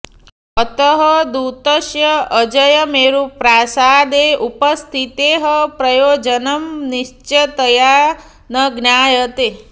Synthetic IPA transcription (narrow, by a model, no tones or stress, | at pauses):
ət̪əɦɐd̪ut̪əʃjɐəd͡ʒəjɐmeːɾupɾaːsaːd̪eʔupəst̪ʰit̪eɦəpɾɐjoːd͡ʒənɐmniʃt͡ʃɐt̪əja | nɐɡnjaːjɐt̪e